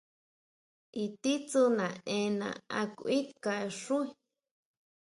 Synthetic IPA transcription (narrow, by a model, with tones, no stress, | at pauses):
i˧t̪i˦t͡su˧nã˨ẽ˧nã̰˨a˧kuʔi˦ka˧˨e˧ʂu˦i˧